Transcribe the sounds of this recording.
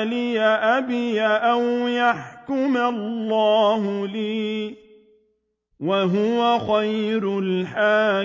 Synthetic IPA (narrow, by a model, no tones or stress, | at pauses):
lɪjaʔabɪjaʔawjaħkʊmallːɑːɦʊliː | waɦʊwaxajɾʊlħaː